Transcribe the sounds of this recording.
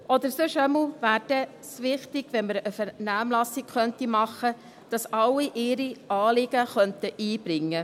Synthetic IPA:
ʔɔd̪əɾsøʃɛml̩væːɾd̥ɛ | sʋɪχt̪ɪɡ̥ʋɛnməɾəfɛnæːmlɑsɪkχœnt̪imɑχə | d̥ɑsɑlːiʔɪɾiʔɑːlɪɡ̥əχœnt̪əʔiːb̥ɾɪŋːə

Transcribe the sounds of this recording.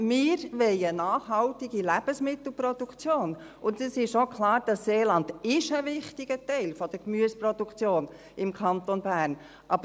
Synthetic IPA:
mɪɾʋɛɪənɑːχɦɑltɪɡilæb̥əsmɪt̪l̩pɾɔdukt͡sjoːn | ʊntɛsɪʃokʰlɑːɾd̥ɑsːeːlɑnd̥ɪʃəvɪχtɪɡ̥ətɛɪlfɔd̥əkmyəspɾɔdukt͡sjoːn | ɪmkʰɑnt̪onbæːɾn | ʔɑb

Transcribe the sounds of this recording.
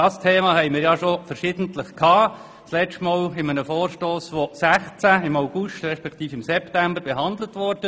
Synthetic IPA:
dɑːstʰeːmɑːhɛɪmɪːɾjɑʃofəɾʃɪːd̥əntləχkʰɑː | slɛstmɔːlɪmənəfoːrʃtoːsʋosæχt͡sæɪmaʊɡ̥ʊʃtrɛʃpɛkt̪iːfɪmsɛptæmbəɾbɛɦɑnd̪lətʋɔɾd̥ə

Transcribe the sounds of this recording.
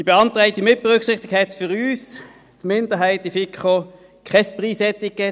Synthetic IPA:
d̥ib̥eɑntʁaɪtimɪt̚b̥eʁʏkχsɪχtɪɡ̥̚kthɛtfʏʁyːs | tmɪndəɦaɪtifɪkχo | kχɛspʁiːsɛtɪkɛ

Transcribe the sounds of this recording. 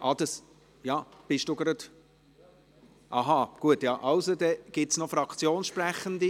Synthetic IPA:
ʔɑd̥̪ɑs | jɑːb̥ɪʃd̥uɡ̥ɾɑd̪̥ | ʔɑɦɑɡ̥uətjɑʔɑʊsod̥̪ɛɡ̥ɪtsnɔfɾɑkʰt͡sjoːnsʃpræχənd̪i

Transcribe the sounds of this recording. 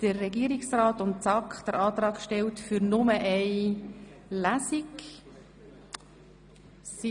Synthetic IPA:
d̥ərːɛɡiːəɾɪksraːtʊntsɑkχd̥əɾʔɑːtrɑːkʃtɛltfyɾnʊməʔɛɪ | læsik | si

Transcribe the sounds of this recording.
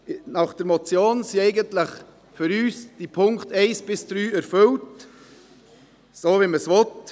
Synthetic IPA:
nɑχd̥əɾmɔt͡sjoːnsiɛɪɡəntləχ | fʏɾyːsd̥ipʰʊŋktɛɪsb̥ɪsd̥ɾyːæɾfʏlt | soːviməsvɔt

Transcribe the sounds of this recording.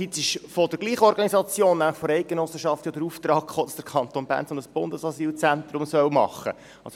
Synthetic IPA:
it̪sɪʃfod̥əɡ̥liːχɔɾɡ̥ɑnisɑt͡sjoːnːæmləχfoɾɛɪk̚ɡenɔsːəʃɑft̪jod̪əɾuft̪ɾɑːkχoːd̥ɑsd̥əɾkʰɑnt̪onbæ̰ːnt͡sonəsb̥ʊnd̥əsɑsiːlt͡sænt̪ɾʊmsœwmɑ̰χːə̰ | ɑ̰ls

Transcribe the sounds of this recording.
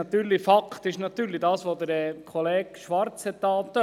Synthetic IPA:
ɑt̪yːɾlifɑkt̪ɪʃnɑt̪ːyːɾlidɑːsʋoːd̪əɾɛkʰoleːɡʃʋɑɾt͡shɛt̪ːɑːt̪ːø

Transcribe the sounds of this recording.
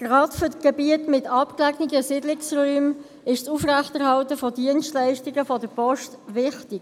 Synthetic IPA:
ɡ̥ʁɑːtfʏtɡ̥ɛbiətmɪtɑpklæɡnɪɡəsɪdlɪksʁyːm | ɪʃsufʁæχtɛʁhɑltəfɔdiənstlæɪʃtɪɡəfɔdəpɔʃtʋɪχtɪɡ̥

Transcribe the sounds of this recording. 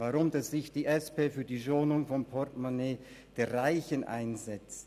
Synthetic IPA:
vaʁʊmdasz̥ɪçd̥iːʔɛspeːfyːɐdiːʃoːnʊŋfɔnpʰɔɐtmaneː | d̥eːɐʁaɪçənʔa̰ɪnzɛt͡st

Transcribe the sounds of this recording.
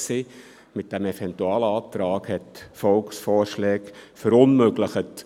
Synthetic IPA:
si | mɪt̚d̥æmɛfɛntuɑːləɑːt̪ɾɑːkhɛtfɔlksfɔːɾʃlɛːkfəɾʊnmøɡləχət

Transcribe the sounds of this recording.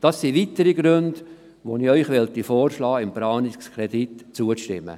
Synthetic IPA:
d̥ɑsːiʋitəɾiɡɾønd̥ | ʋoniœʏχʋɛlt̪ifoːrʃlɑːɪmbɾɑːnikskʰɾɛditt͡suətɪ̰mːə̰

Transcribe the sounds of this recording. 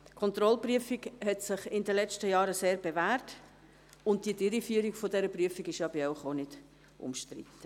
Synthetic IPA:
kʰɔnt̪ɾɔlpryəfiɡhɛtsɪχɪndəlɛt͡ʃtəjɑːɾəseːɾbevæːɾt | ʊnt̚d̥idɪɾifyːəɾiɡfɔdɛɾəpryəfiɡɪʃɑbəɾaʊχonɪd̥ | ʔʊ̰mʃtɾḭtːə

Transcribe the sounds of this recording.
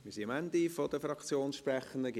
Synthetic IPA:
mmiːsiəmænd̪ifod̥əfɾɑkt͡sjoːnsʃprɛχəndəɡ

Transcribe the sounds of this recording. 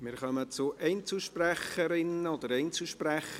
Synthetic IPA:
mɪɾχœmət͡sʊʔɛɪnt͡suʃpræχəɾɪnəod̪əɾɛɪnt͡sl̩ʃpræχə

